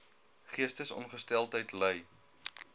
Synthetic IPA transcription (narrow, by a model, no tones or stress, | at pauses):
χiəstəsɔ̰nχəstɛlˠtɦəjtləj